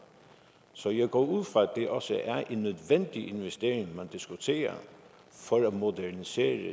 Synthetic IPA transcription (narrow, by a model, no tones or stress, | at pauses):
sɒ̽jæɪɡ̥ɔ̰ːuð̰ˠfʁɑ̈æd̥e̝ʔɒ̽səʔæɐʔe̝nːøðˠʋen̰d̥iʔe̝nʋesd̥e̝̰ːeŋmænd̥isɡ̥ut͡sʰe̝̰ːɐ̰ | fɒɾæ̥mo̝dænise̝̰ːɾə